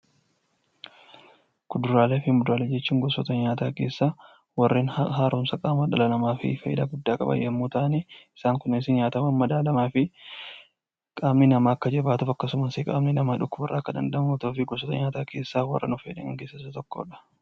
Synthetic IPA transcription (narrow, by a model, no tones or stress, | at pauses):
kʊd̪ʊɾaːleːfɪmʊd̪aːlɛd͡ʒɛt͡ʃːiːŋɡɔsɔt̪ɐɲaːt̪aːke̞ːsːaː | wɐrːeːnɦaːɾʊmsɐkʼaːmɐᶑɐlɐnɐmaːfɪ̰fɐjɪ̰d̪aɡʊd̪ːaːkʼɐ̰bɐ̰jɐmːuːt̪aːʔneːɪsaːŋkʊnːɪnɪsɪnɲaːt̪ɐmɐmmɐd̪aːlɐmaːfɪ | kʼaːmninɐmaːɐkːɐd͡ʒɛbaːt̪ʊfɐkːɐsʊmɐsɪkʼaːmninɐmaːᶑʊkːʊbɐrːaːkːɐd̪ɐ̰nd̪ɐʔmot̪oːfɪɡɔsɔt̪ɐɲaːt̪aːke̞ːsːaːwɐ̰rːɐ̰nʊfɐjɪᶑɐ̰ŋɐŋkeːsɐsɐt̪ɔkːo̰ːᶑɐ̥